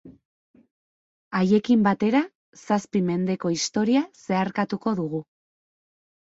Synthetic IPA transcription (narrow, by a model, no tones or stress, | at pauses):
aje̞kimbat̪e̞ɾa | saspime̞nd̪e̞ko̞ist̪o̞ɾiase̞aɾkat̪uko̞ðuɣu